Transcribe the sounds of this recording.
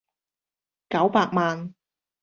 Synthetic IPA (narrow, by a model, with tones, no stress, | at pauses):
kɐ˨˥wpaː˧k̚maː˨n